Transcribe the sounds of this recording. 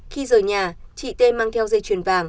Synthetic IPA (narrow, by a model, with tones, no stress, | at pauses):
xi˧zəː˨˩jɲaː˨˩t͡ɕḭ˧˨t̪e˧maː˧ŋt̪ʰɛ˧wzə˧jt͡ɕwi˨˩ənvaː˨˩ŋ